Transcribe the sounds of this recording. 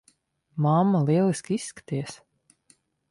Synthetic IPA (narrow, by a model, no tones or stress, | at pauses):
mamːalˠiɛlˠiskʲisːkḁt̪ijs